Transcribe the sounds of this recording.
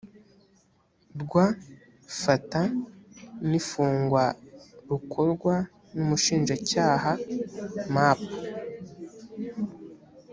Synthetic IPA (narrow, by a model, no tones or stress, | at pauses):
bɡwa | fata | nifuːŋɡwaɾukʰoɾɡwa | numuʃiːnʒacaːɦa | maːpḁ